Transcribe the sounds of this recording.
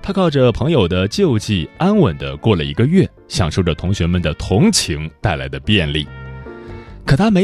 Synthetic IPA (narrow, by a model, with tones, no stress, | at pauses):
t̪ʰa˥kʰɑ˥˩ʊʈ͡ʂə˩pʰɤ˧˥ŋjo˨˩ʊd̪ə˦t͡ɕjo˥˧ʊt͡ɕi˥˩a˥nwə˨˩nd̪ə̰˦kwɔ˥˩lə˩ḭ˧˥ɡə˧ɥɛ˥˩ | ɕjɑ̰˨˩ŋʂo˥˩ʊʈ͡ʂə˩t̪ʰʊ˧˥ŋɕɥɛ˧˥mə˨˩nd̪ə˩t̪ʰʊ˧˥ŋt͡ɕʰi˧˥ŋt̪a˥˩ɪla̰˧˥ɪd̪ə˧pjɛ˥˧nlḭ˥˩ | kʰə˨˩t̪ʰa˥me˧˥